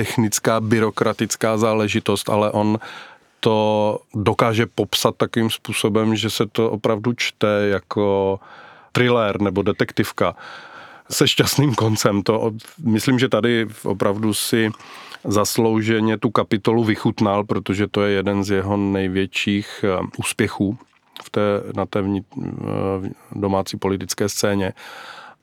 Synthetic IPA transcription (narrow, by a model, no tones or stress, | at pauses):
t̪ɛxnɪt͡skaːbɪɾo̞kɾat̪ɪt͡skaːzaːlɛʒɪt̪o̞st̪a̰lɛʔo̞n | t̪o̞dokaːʒɛpo̞psat̪ːakoviːmspuːso̞bɛmʒɛsɛt̪o̞ʔopɾavdut͡ʃt̪ɛjakʰo | t̪ɾɪlɛɾnɛbo̞dɛt̪ɛkt̪ɪfka | sɛʃcast̪niːmko̞nt͡sɛmt̪oʔomɪslimʒɛt̪adɪʔo̰pɾʔavdusɪzaslo̞wʒɛɲɛt̪ukapɪt̪o̞luvɪxut̪nalpɾot̪oʒɛt̪o̞jɛjɛdɛnzjɛɦo̞nɛjvjɛt͡ʃiːxʔuːspjɛxuː | ft̪ɛːnat̪ɛːvɲɪ | domaːt͡siːpo̞lɪt̪ɪt͡skɛːst͡sɛːɲɛ